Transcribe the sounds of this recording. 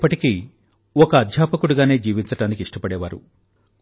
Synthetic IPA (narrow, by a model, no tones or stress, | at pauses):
pːɐʈiki | ɔkɐːd̪ʱjaːpɐkuɽuɡaːne̞ːd͡ʒiːʋiɲt͡ʃɐʈaːnikiʂʈɐpɐɽɛːʋaːɾṵ